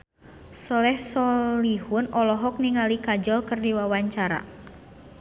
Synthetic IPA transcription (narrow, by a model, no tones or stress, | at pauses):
sɔlɛhsɔlihunɔlɔɦɔk̚niŋalikad͡ʒɔlkɨrdiwawaɲt͡ʃaɾa̰